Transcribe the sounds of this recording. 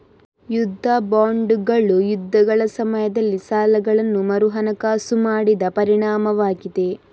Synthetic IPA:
jud̪ʱːɐbaːɳɖɡɐɭːujud̪ʱːɐɡɐɭɐsɐmɐjɐd̪ɐlːisaːlɐɡɐɭɐnːumɐɾuɦɐnɐkaːsumaːɽid̪ɐpɐɾiɳaːmɐʋaːɡid̪e̞

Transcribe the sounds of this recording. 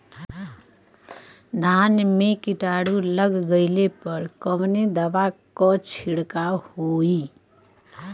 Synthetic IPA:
d̪ʱanmekiʈaɽuləɡɡəɪlepəɾkəmned̪əbakɔt͡ʃʰiɽkahoi

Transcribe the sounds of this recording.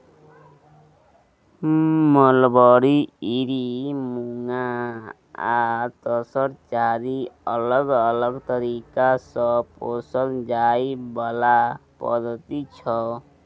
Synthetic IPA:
mʌlbɔɾiiɾimuŋa | at̪ʌsʌɾt͡ʃaɾiʌlʌɡʌlʌɡt̪ʌɾikasʌposʌld͡ʒajbalapʌ̰d̪ʌt̪it͡ʃʰʌ

